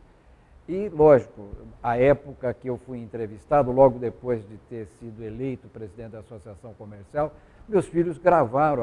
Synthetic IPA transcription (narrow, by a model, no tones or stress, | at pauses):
ɪlɔʒikʊɐɛpʊkɐkɪewfujẽnt̪ɾevist̪ad̪ʊlɔɡʊd̪epojzd͡ʒɪt̪eɾsid̪ʊelejt̪ʊpɾezid̪ẽt͡ʃ̪ɪd̪asosiasɐ̃w̃komeɾsiaw | mewsfiʎʊzɡɾavaɾɐ̃